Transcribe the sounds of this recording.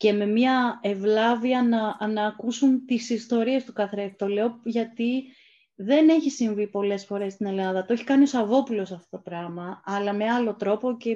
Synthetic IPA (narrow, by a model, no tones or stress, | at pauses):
ce̞me̞miɐe̞vlɐviɐnɐnɐːkusunt̪isist̪o̞ɾie̞st̪u̥kɐθɾeft̪o̞le̞oʝɐt̪i | ðe̞ne̞çisiɱvipo̞le̞sfo̞ɾe̞st̪ine̞lɐðɐt̪oeçi̥kɐnio̞sɐvo̞pulo̞sɐft̪o̞t̪o̞pɾɐmɐːlɐme̞ɐlo̞t̪ɾo̞po̞ce